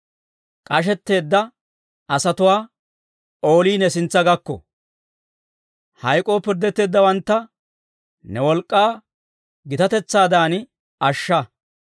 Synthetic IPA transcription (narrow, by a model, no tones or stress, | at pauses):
kʼɐʃ̬ɛt̪ːe̞ːd̪ːɐ | ɐsɐt̪ʊwaː | o̞ːliːnɛsɪnt͡sːɐɡɐkːɔ̰ | hɐjkʼo̞ːpɪɾd̪ːɛt̪ːe̞ːd̪ːɐwɐnt̪ːɐ | nɛwɔlkʼːaː | ɡɪt̪ɐt̪ɛt͡sːaːd̪aːn | ɐʃːɐ